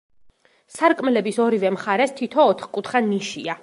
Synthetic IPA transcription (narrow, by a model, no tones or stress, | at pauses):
saɾkʼmɛlɛbisɔɾivɛmχaɾɛst̪ʰit̪ʰɔːt̪ʰχkʼut̪ʰχaniʃia